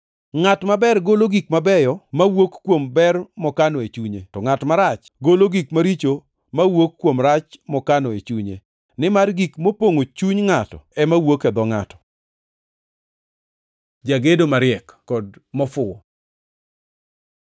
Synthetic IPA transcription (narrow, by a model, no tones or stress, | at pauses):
ŋatmabɛrɡoloɡikmabɛjɔmawokːwombɛrmɔkanɔet͡ʃuɲḛtɔŋatmaɾat͡ʃ | ɡoloɡikmaɾit͡ʃo | mawokːwomɾat͡ʃmɔkanɔet͡ʃuɲḛ | nɪmarɡikmopoŋot͡ʃuɲŋatɔɛmawokɛd̪ɔŋa̰tɔ̥ | d͡ʒaɡedomaɾɪɛkkːɔdmɔfʊɔ